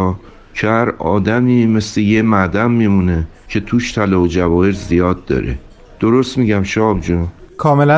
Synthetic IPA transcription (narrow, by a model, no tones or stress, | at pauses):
cʰehæɾɒ̰ːd̪æmiːme̞sleje̞mæd̪æmːiːmune̞ | cʰet̪ʰuːʃt̪ʰælɒːod͡ʒævɒːeɾzijɒːd̪̚ːɒ̰ːɾḛ | d̪̥oɾo̞st̪miɟæmʃɒːbd͡ʒɔkʰɒːmelæ